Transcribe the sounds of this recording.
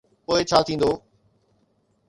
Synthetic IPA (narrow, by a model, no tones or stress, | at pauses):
poːɪt͡ɕʰaːt̪ʰĩːn̆d̪oː